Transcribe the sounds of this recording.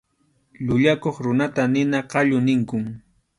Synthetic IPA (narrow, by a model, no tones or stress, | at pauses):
ʎʊʎakoχɾʊnat̪anɪnaqɑʎʊnɪŋkʊŋ